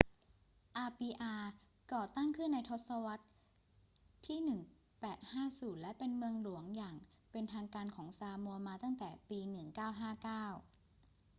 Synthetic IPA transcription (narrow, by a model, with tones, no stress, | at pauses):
ʔaː˧piː˧ʔaː˧ | kɔː˨˩t̪a˥˩ŋkʰɯ˥˩nːa˧jt̪ʰo˦˥t̪̚sa˧wa˦˥t̪̚ | iː˥˩nɯ˨˩ŋ | pɛː˨˩t̪̚haː˥˩suː˨˩˦nlɛ˦˥pe˧nmɯ˧əŋlu˨˩˦əŋjaː˨˩ŋpe˧nt̪ʰaː˧ŋkaː˧nkʰɔː˩˦ŋsaː˧mu˧əmaː˧t̪a˥˩ŋt̪ɛː˨˩piː˧nɯ˨˩ŋkaː˥˩wɦaː˥˩kaː˥˩w